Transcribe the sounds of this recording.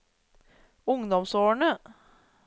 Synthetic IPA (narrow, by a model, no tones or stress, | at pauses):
ʊŋd̪ɔmsoːɳə